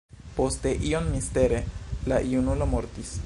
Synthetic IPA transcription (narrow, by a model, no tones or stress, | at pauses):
post̪eʔionmist̪eɾelaʔiunulomoɾt̪is